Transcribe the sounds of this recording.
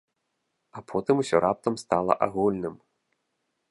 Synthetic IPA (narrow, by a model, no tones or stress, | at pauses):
apʰɔt̪ɨmusʲɔɾap̚t̪ɐmst̪alˠɐ̰ʔaɣulʲnɨm